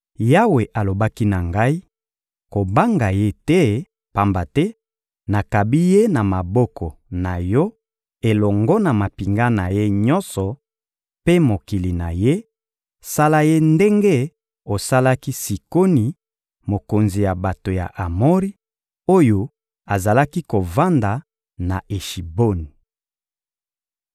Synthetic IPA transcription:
ja˦we˨ʔa˨lo˨ba˦ki˦na˨ŋɡa˦i˦ | ko˨ba˦ŋɡa˨je˦tɛ˦ | pa˦mba˨tɛ˦ | na˨ka˨bi˦je˦na˨ma˨bɔ˦kʰɔ˨na˨jɔ˦ | e˨lɔ˨ŋɡɔ˦na˨ma˨pi˨ŋɡa˦na˨je˦ɲɔ˦nsɔ˨ | pe˦mo˨ki˨li˨na̰˨je˦ | sa˦la˦je˦nde˦ŋɡe˦ | o˨sa˦la˦ki˦si˨ko˦ni˨ | mo˨ko˨nzi˨ja˨ba˨to˨ja̰˨ʔa˨mo˦ʁi˦ | o˦jo˦ | a˨za˨la˦ki˦ko˨va˦nda˨ | na˨ʔe˨ʃi˨bo˦ni˨

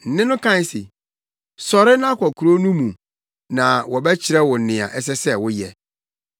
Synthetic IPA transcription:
n̩˨nɪ̃˦nʊ̃˦kʰã˦˨sɪ̰˨ | sɔ˨ɾɪ˦nã˦kʷʰɔ˨kʰu˨ɾo˦nũ˦mũ˨ | nã˨wɔ˨bɛ˦t͡ɕʰɪ˨ɾɛ˦wʊ˨nɪ̃˨a̰˨ʔɛ˦s̬ɛ˦sɛ˦˨wʊ˦jɛ˨

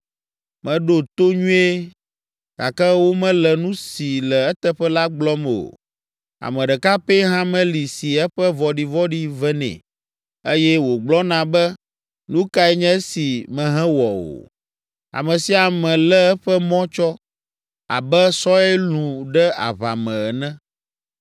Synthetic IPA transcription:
mɛ̃˨ɖo˨t̪o˦ɲũ˦e˦ | ɡ̥a˨kɛ˦wo˦mɛ̃˦lɛ˨nũ˦si˨lɛ˨ɛ˦t̪ɛ˦ɸɛ˦la˦ɡ͡blɔ˦m˨o̰˨ | a̰˨mɛ̃˨ɖɛ˨ka˦pe˦ɦã˦mɛ̃˦li˨si˨ɛ˦ɸɛ˦vɔ˨ɖi˨vɔ˦ɖi˦vɛ˦nɛ̰̃˨ | e˦jɛ˦wo˨ɡ͡blɔ˦nã˨bɛ˦ | nũ˦ka˦ɛ˦ɲɛ̃˦si˨mɛ̃˨ɦɛ̃˦wɔ˨o̰˨ | a̰˨mɛ̃˨si˨˦a˨mɛ̃˨lɛ˦ɛ˦ɸɛ˦mɔ̃˦t͡ʃɔ˦ | a̰˨bɛ˦sɔ˦ɛ˦lũ˨ɖɛ˦a̰˨βa̰˨mɛ̃˨ɛ˨nɛ̃˦

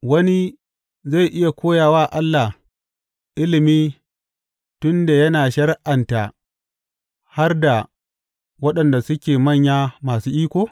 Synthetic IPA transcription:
wɐ˦ni˦ | za˦˨jʔɪ˦ja˨kʷʰoː˦jaː˨waː˦˨ʔa˦lːa˨h | ʔɪ˦lɪ˨miː˦ | tʊ˦nda˨jɐ˦naː˨ʃɐ˦rʔa˨nta˨ | ha˦rda˨ | wɐ˦ɗɐ˨nda˨sʊ˦kʲeː˨mɐ˦˨ɲjaː˦maː˨suː˦ʔiː˦kʷoː˨

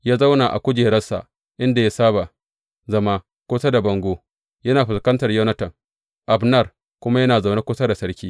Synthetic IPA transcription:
jaː˦za˦wna˨ʔa̰˨kʷʊ˦d͡ʒeː˨ɽɐ˦sa̰˨ | ʔɪ˦nda˨ja˦saː˦ba˨ | zɐ˦maː˦ | kʷoː˦sa˦da˨bɐ˨ŋɡʷoː˦ | jɐ˦naː˨ɸɪ˨skɐ˦ntɐ˨rjɐ˦wnɐ˦tɐ˨ŋ | ʔa˨bnɐ˦˨r | kʷʊ˦ma˦jɐ˦naː˨za˨wna˦kʷʊː˦sa˦da˨sɐ˦ɽkʲiː˦

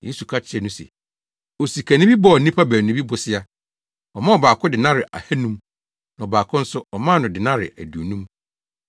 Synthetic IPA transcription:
je˦su˨kʰa˦t͡ɕʰɪ˦ɛ˨nʊ̃˦sɛ̰˨ | o˨si˨kʰæ˨nĩ˦bi˦bɔ˦ɔ˨nĩ˦pʰa˦bæ˨nũ˦bi˦bʊ˨sɪ˦a˦ | ɔ˨mã˦ɔ˨baː˨kʰʊ˦dɪ˨nã˦ɾɪ˨ʔa̰˨hæ˦nũ˦m | nã˨ɔ˨baː˨kʰʊ̃˦n̩˦sʊ˦ɔ˨mãː˦˨nʊ̃˨dɪ˨nã˦ɾɪ̰˨æ˨du˨nũ˦m

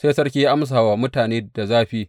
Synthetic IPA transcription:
seː˦sɐ˦rkʲiː˦ʔa˦ms̬aː˨waː˨mʊ˦taː˨neː˦da˨zaː˦ɸiː˦

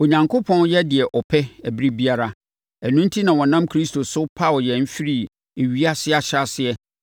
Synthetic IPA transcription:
o˨ɲã˨ŋkʰo˦pʰɔ̃˦n˦jɛ˦dɪ˨ɛ˨ʔɔ˨pʰɛ˦æ˨bi˦ɾi˦bi˦a˦ɾa˦ | æ˨nũ˦n̩˦tʰi˦nã˨wɔ̃˨nã˦mkʰɾi˦stʰo˨sʊ˦pʰa˦˨wɔ˨jɛ˨m̩˦fi˦ɾi˨ | e˨ɥi˦a˦sɪ˦a˨ɕa˦sɪ˦ɛ˦

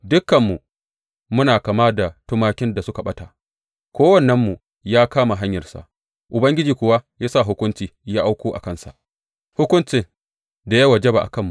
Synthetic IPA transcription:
dʊ˦kːɐ˨mːu˨ | mʊ˦naː˨kaː˨maː˦da˨tʊ˦maː˦kʲɪ˦nda˨sʊ˦ka˨ɓɐ˦taː˨ | kʷoː˦wɐ˨nːɐ˦mːu˨ | jaː˦kaː˦ma˨ɦa˦ɲjɐ˨rsa̰˨ʔ | ʔʊ˨bɐ˦ŋɡʲɪ˦d͡ʒiː˨kʷʊ˦wa˦jaː˦sa˦˨ɦʊ˦kʷʊ˦nt͡ʃiː˨jaː˦ʔa˦wkʷoː˦ʔa̰˨kɐ˦˨nsa̰˨ʔ | hʊ˦kʷʊ˦nt͡ʃɪ˨ŋ | da˨ja˦wa˨d͡ʒɛ˦ba˨ʔa̰˨kɐ˦˨mːu˨

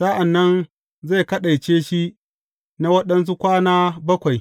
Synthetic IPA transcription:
sa˦ʔa˨nːɐ˦n | za˦˨jkɐ˦ɗa˨jt͡ʃeː˦ʃi˦ | na˦wɐ˦ɗɐ˦ns̬u˦kʷaː˦naː˦bɐ˦kʷa˨j

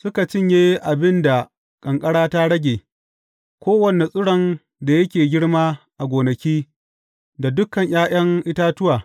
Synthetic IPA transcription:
sʊ˦ka˨t͡ʃɪ˦ɲjeː˦ʔa˨bɪ˦nda˨ | kʼɐ˨ŋkʼɐ˦ɽaː˦ta˦ɽɐ˦ɡʲeː˨ | kʷoː˦wɐ˨ne˨sʼʊ˦ɽɐ˦n | da˨jɐ˦kʲeː˨ɡʲɪ˦ɽmaː˦ʔa˨ɡʷoː˨nɐ˨kʲiː˦ | da˨dʊ˦kɐ˨ɲj̰aː˦j̰ɐ˦ŋʔɪ˦taː˦tʊ˦waː˨

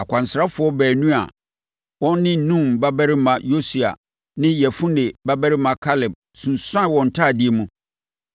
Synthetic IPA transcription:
a˨kʷʰã˨n˨sɾa˦fʊ˨˦ɔ˦bɛː˨nũ˦a̰˨ | wɔ̃˦nː˦ɪ̃˦nũ˦˨mba˦bæ˦ɾɪ˦mã˨jo˦si˨a̰˨ | nɪ̃˦jɛ˨fũ˦nɪ˨ba˦bɛ˦ɾɪ˦mã˨kʰa˦lɪ˨b̚ | sũ˨nsã˦˨wɔ̃˨n̩˨tʰaː˦˨dɪ˦e˨˦mũ˨

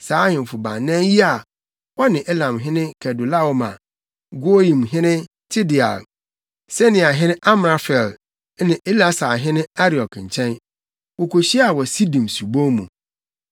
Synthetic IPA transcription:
saː˨˦hɪ̃˨m˨fʊ˨bã̰˨n˨nɛ̃˦nji˦a˨ | wɔ˦nɪ̃˨ʔɛ˦lã˨mɦɪ̃˦nɪ̃˦kʰɛ˨dʊ˨la˦wɔ˨ma̰˨ | ɡo˦jĩ˨mɦɪ̃˦nɪ̃˦ | tʰɪ˦dɪ˨a̰˨l | sɛ˦nɪ̃˨a˨ɦɪ̃˦nɪ̃˦ʔa˦m˨a˦fɛ˨l | nɪ̃˨ʔe˦la˦saː˨ɦɪ̃˦nɪ̃˦a˦ɾi˨ɔ˨kʰɲ̩˨t͡ɕʰɛ̃˦n | wo˨kʰo˨ɕi˦a˨wɔ˨si˦dĩ˨msu˨bo˦mũ˨

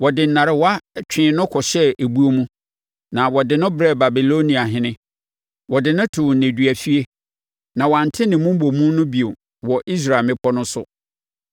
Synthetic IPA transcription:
wɔ˨dɪ˨n̩˨nã˨ɾɪ˨wa˦t͡ɕᶣɪ̃˨nʊ̃˦kʰɔ˨ɕɛ˦ʔe˨bu˦o˦mũ˦ | nã˨wɔ˨dɪ˨nʊ̃˦bɾɛ˦˨ba˨bi˨lo˦nĩ˨a˨ɦɪ̃˦nɪ̃˦ | wɔ˨dɪ˨nʊ̃˦tʰʊ˨wn̩˨ne˨dɥæ˨fi˦e˦ | nã˨wã˨n˨tʰɪ˦nɪ̃˨mũ˦m̩˦bo˨mũ˦nʊ̃˦bi˨o˨ | wɔ˨ʔi˦s̬ɾa˨lmɪ̃˦pʰɔ˦nʊ̃˦sʊ̰˨

